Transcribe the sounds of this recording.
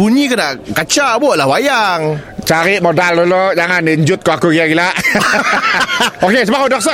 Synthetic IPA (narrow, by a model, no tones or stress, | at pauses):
buɲikənaʔkat͡ʃaʔbuaʔlawajaŋt͡ʃaɾiʔmodaldolod͡ʒaŋandiəɲd͡ʒʊt̪̚koakuɡilaɡilaʔ | okes̬əbakodɔk̚sə